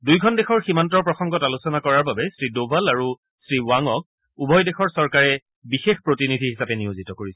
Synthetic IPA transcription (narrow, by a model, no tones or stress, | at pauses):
dujɡʱɔndexɔɹximantɔɹpɹɔxɔŋɡɔtalusɔnakɔɹaɹbabɛstɹidobʱalaɹu | sɹiwaŋɔk̚ | ubʱɔjdɛxɔɹsɔɹkaɹɛ | bixexpɹotinidʱiɦisapɛnijozitɔkoɹisɛ